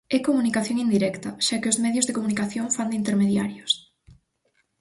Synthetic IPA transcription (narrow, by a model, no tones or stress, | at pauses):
ɛkomunikaθjoŋind̪iɾɛkt̪ɐʃakeʊzmɛðjʊzðekomunikaθjoŋfand̪int̪eɾmeðjaɾjos